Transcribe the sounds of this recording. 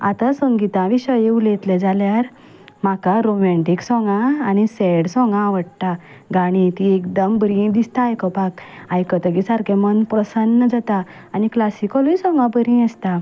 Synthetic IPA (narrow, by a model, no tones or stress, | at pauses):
a̰t̪asəŋɡit̪ãʋiɕəjeulet̪led͡zaljaɾ | m̤akaɾomɛ̃ɳʈiksɔ̃ŋɡãːñiseɽsɔ̃ŋɡãːʋəɽt̪a | ɡaɽ̃ĩt̪iekd̪əmbɾĩd̪ist̪aːjkɔpakajkət̪əɡisaɾkẽmənpɾəsənːəd͡zat̪aː | niklasikəlisɔ̃ŋɡãbəɾĩəst̪a